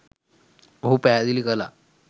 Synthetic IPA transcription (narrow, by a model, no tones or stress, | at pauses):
ɦupɛad̪ilikəla̰